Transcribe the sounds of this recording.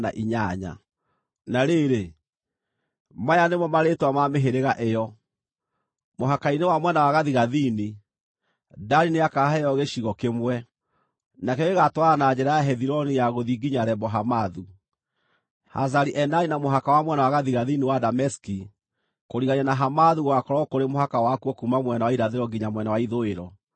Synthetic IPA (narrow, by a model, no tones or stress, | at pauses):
na̰ʔiɲaɲa̰ | naɾeɾe | majanemɔmaɾetwamameɦeɾeɣaʔejɔ | moɦakainewamwɛnawaɣaðiɣaðini | daɾineakaɦɛjɔɣeɕiɣɔkemwɛ | nakɛɔɣeɣatwaɾanaɲɛɾajaɦɛðiɾɔnijaɣoðiɡiɲaɾɛbɔɦamaðu | ha̰zaɾiʔɛnaɾinamoɦakawamwɛnawaɣaðiɣaðiniwadamɛski | koɾiɣaɲanaɦamaðuɣwakɔɾɔkoɾemoɦakawakuɔkumamwɛnawaiɾaðeɾɔɡiɲamwɛnawaiðoeɾɔ